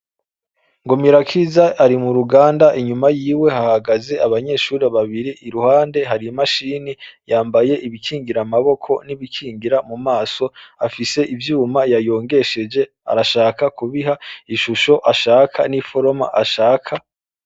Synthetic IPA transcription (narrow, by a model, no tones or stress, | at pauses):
ŋɡomiɾakʰiːzaʔaɾimuɾuɡaːndaʔiɲumajiːwe̞hahaɡaze̞aβaɲe̞ʃuːɾeβaβiɾiʔːɾuhaːnde̞ɦaɾimaʃiːnijaːmbaje̞ʔiβikʰiːŋɡiɾamaβo̞kʰo̞niβikʰiːŋɡiɾamumaːso̞afise̞ʔivjuːmajajo̞ːŋɡe̞ʃe̞d͡ʒe̞ | a̰ɾaʃaːkakuβiɦaiʃuʃo̞ʔaʃaːkʰanifo̞ɾo̞ma̰ʔaʃaːkʰa